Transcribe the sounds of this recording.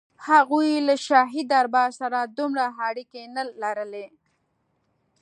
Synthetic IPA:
haɣujlaʃaɦid̪aɾbɑsaɾad̪umɽaɦaɽikenalaɾəle

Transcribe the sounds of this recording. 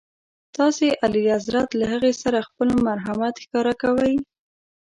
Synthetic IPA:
t̪ɑseʔaliazɾat̪lahəɣesaɾaxpəlmaɾɦamat̪xkɑɾakawəj

